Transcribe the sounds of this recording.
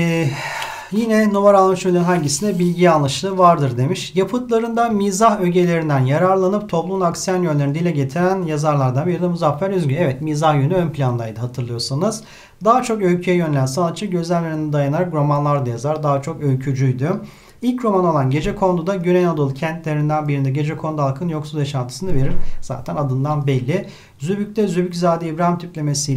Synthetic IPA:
jinɛnovaɾalˠmɯʃølʲeɾnɦaɲɟisinɛbilʲɟialˠːɯʃlˠɯvaɾd̪ɯɾd̪e̞miʃjapʰɯt̪lˠaɾɯnd̪amiːzahøɟe̞lʲe̞ɾind̪ænjaɾaɾlˠanɯp̚t̪ʰo̞plˠumnaksijanjønlʲeɾnd̪ilʲɛɟe̞t̪ʰiɾænjazaɾlˠaɾd̪anbiɾid̪ʲɛmuzafːæɾyzɡyɛvɛt̪miːzahjynyønpʰʲlʲand̪ˠajd̪ɯɦat̪ʰɯɾlˠɯjo̞sanɯz̥ | d̪aɦat͡ʃʰo̞kølcʰyjɛjønelʲænsanat̪̚t͡ʃʰːɯɟøzænʲlʲeɾind̪ɛd̪ajanaɾakɾo̞manlˠaɾd̪ajazaɾd̪aɦat͡ʃʰo̞kølcʰyd͡ʒyjd̪y | ilʲcɾo̞manalˠanɟe̞d͡ʒɛkʰo̞nd̪ud̪aɟynenad̪ɯlˠcʰænt̪lʲe̞ɾind̪ænbiɾind̪ɛɟe̞d͡ʒɛkʰo̞nd̪ualˠkʰɯnjo̞ksuzjaʃant̪ʰɯ̥sɯnɯveɾiɾz̥a̰ːt̪ʰænad̪ɯnd̪anbɛlʲːɪ | zybyc̚t̪ʰɛzybyczaːd̪iibɾaɦimt̪ʰypʲlʲe̞me̞sij

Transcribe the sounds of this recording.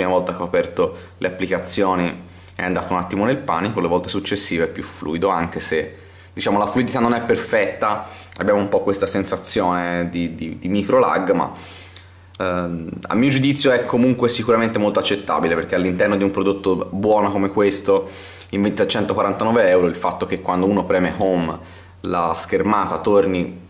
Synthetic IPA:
ɾimavɔlt̪akeapɛrt̪o | lʔeapːlikat̪sːjoːni | ɛ̰and̪aːt̪ounat̪ːimonelpa̰ːnikolevɔlt̪esut͡ʃːesːiːveɛpːjuflṵːid̪oaŋk̟ese | d̪̥it͡ʃaːmolafluid̪it̪anːonɛpːerfɛt̪ːaa̰bːjaːmoumpɔkːwest̪asensat̪sːjoːned̪id̪id̪imikɾola̰ɡːma̰ | a̰mːiːod͡ʒud̪it̪sːjoɛkʰːomuŋkwesikuɾament̪emolt̪oat͡ʃːet̪ːa̰ːbileperɾk̟ealːint̪ɛrnod̪iumpɾod̪ot̪ːobwɔːnokomekwest̪o | iɱvent̪at͡ʃɛnt̪okwaɾant̪anɔːveɛwɾoilfat̪ːok̟ekːwand̪ouːnopɾɛːmehom | la̰skermaːt̪at̪orni

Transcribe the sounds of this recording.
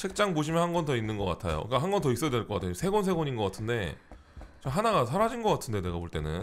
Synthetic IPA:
t͡ɕʰek̚t͡ɕ͈aŋboɕʰimjʌnɦanɡʌntʌinːɯnɡʌk͈a̰tʰajo̰kaɦanɡʌntʌis͈ʌadwe̞ɭkʌk͈atʰesʰe̞ɡons̬ʰe̞ɡoɲinɡʌk͈atʰɯnde̞ | t͡ɕamɦanaɡasʰaɾad͡ʑinɡʌk͈atʰɯnde̞ne̞ɡapoɭt͈e̞nɯ̰n

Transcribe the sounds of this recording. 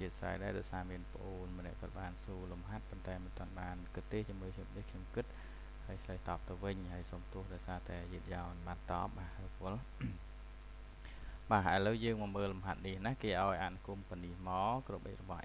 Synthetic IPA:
t͡ɕiət̪̚sa̰ɛjɗa̰ɛɗaɔjsaːmiənpə̆ʔoːnmɔənɛ̆əʔkɔ̆ət̪̚ɓaːnsuːlumɦat̪̚pont̪aɛmɨnt̪ŏənɓaːnkɨt̪ːeːht͡ɕimɨːkʰɲom̚nikʰɲomkɨt̪̚ | haəjt͡ɕʰləjht̪ɑːp̚t̪ɨwʋɨɲɦaəjsoːmt̪ʊ̆əhɗaɔjsaːt̪aɛjiət̪̚jaɔnɓaːnt̪ɑ̰ːp̚ɓaːrɔpʊ̆əl | ɓaːɦʔəələwjəːŋmɑːməːlːumɦat̪̚niəhnaːhkeːʔaɔjʔaːnukuəmpənihmɑːkroɓə̰c̚rɔɓɑ̰

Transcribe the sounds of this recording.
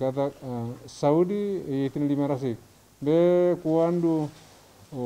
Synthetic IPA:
kat̪̬asaudijet̪inlimaɾas̬ik̚ | bekuandu

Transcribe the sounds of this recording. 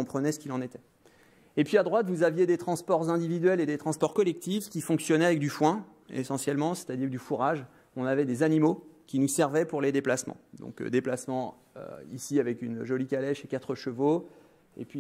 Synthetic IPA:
ɔ̃pχənɛsə̥kʲilɑ̃net̪ɛ | epɥiad̪ʁwat̪vuzavjed̪et̪χɑ̃spɔʁzɛ̃d̪ivid̪ɥɛled̪et̪χɑ̃spɔʁkɔlɛk̚t̪ifkʲifɔ̃ksjɔnɛavɛk̚d̪yfwɛ̃ | ḛsɑ̃sjɛlmɑ̃se̥t̪ad̪iʁd̪yfuʁaʒ | ɔ̃navɛd̪ezanimokʲinusɛʁvɛpuʁled̪eplasmɑ̰̃d̪ɔ̰̃kd̪eplasmɑ̃ | ø̰isiavɛkynʒɔlikalɛʃekat̪χəʃəvo | ḛpɥi

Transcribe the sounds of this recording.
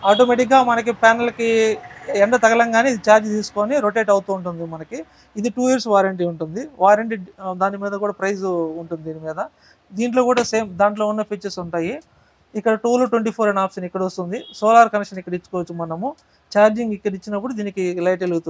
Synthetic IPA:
aːʈ̬omeːʈik̚ɡaːmɐnɐk̬ipɛːnɐlɐki | ɛnt̪ɐt̪ɐɡɐlɐŋɡaːneːid̪it͡ʃaːɾd͡ʒt̪iːsu̥ko̞ːniɾoʈ̬eːʈɐwut̪uːuɳʈund̪imɐnɐkiː | d̪iʈuːjiːɾsʋaːɾɐɳʈiuɳʈund̪iʋaːɾɐɳʈid̪aːnimiːd̪ɐkuːɽaːpɾɐjsuɳʈund̪id̪iːnimiːd̪ɐ | d̪iːɳʈlo̞ːkuːɽaːse̞ːmd̪aːɳʈlo̞ːunːɐpʰit͡ʃːɐɾsuɳʈaːjiː | kːɐɽɐʈuːloʈweɳʈiːpʰoːɾɐnaːpʂɐnikːɐɽɐost̪und̪isoːlaːɾkɐnkʂɐnikːɐɽɐit͡ʃːu̥kɔːʋɐt͡ʃːimɐnɐmu | t͡ʃaːɾd͡ʒiŋɡikːɐɽɐit͡ʃːinɐp̬ːuɽud̪iːnikilɐjʈeluɡut̪u

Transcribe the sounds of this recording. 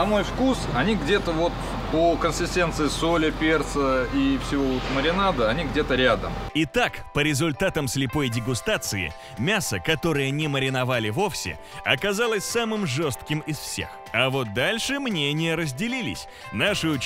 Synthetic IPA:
ɐmo̞jfkusɐnʲiɡdʲe̞t̪əvo̞t̪ | pokənʲsʲɪsʲtʲe̞nt̪sɨɪsolʲɪpʲe̞rt̪səifsʲɪvoot̪məɾʲɪnad̪əɐnʲiɡdʲe̞t̪əɾʲad̪ə̰mɪt̪akpəɾʲɪzʊlʲt̪at̪əmsʲlʲɪpo̞jdʲɪɡʊst̪at̪sɨɪ̰ | mʲasəkɐt̪o̞ɾɨjənʲɪməɾʲɪnɐvalʲɪvo̞fsʲɪ̰ | ɐkɐzalˠəsʲsamɨmʐo̞st̪kʲɪmɪsfsʲe̞̰x | ɐvo̞t̪̚d̪alʲʂɨmnʲenʲɪjəɾəzʲdʲɪlʲilʲɪ̰sʲ | naʂɨʊ

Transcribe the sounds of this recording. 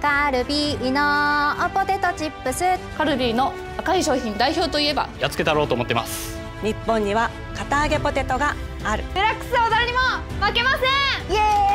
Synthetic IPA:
kaɾɯ̟bʲiːnoːpo̞t̪e̞t̪o̞t͡ɕipːɯ̟sɨkaɾɯ̟bʲiːno̞ | akaiɕo̞ːçĩnd̪aiço̞ːt̪o̞ie̞ba̰jat͡sɨ̥ke̞t̪aɾo̞ːt̪oːmot̪ːema̰sɨ̥ | ɲ̟ipːõ̞ɲ̟ːiβ̞a | kat̪aːɡe̞po̞t̪e̞t̪o̞ɡaː | ɾɯ̟d̪eɾakːɯ̥sɨod̪aɾɯɲ̟imomake̞masẽje

